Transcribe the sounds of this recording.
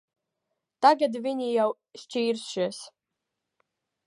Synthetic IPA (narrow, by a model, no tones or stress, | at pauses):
t̪aɡad̪viɲijaw | st͡ʃiːɾsʃas